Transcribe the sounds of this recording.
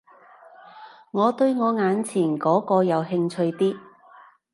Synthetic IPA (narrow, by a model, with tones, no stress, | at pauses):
ŋɔː˨˧t̪ɵ˧ɥŋɔː˨˧ŋaː˨˧nt͡sʰiː˨˩nkɔː˨˥kɔː˧jɐ˨˧wɦɪ˧ŋt͡sʰɵ˧ɥt̪iː˥